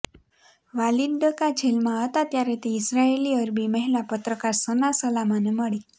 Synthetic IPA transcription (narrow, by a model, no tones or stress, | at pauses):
ʋalid̪ɖəkad͡ʑʰʱelmaət̪at̪jaɾet̪eisɾaeliːəɾbiməɦilapət̪ɾəkaɾsənasəlamaneməɽi